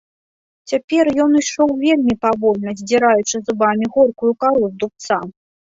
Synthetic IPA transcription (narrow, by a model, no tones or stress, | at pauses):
t͡sʲapʲɛrjɔniʂɔwvʲelʲmʲipavɔlʲnɐzʲd͡zʲiɾajut͡ʂɨzɨbamʲiɣɔrkujukaɾuzd̪up̚t̪sa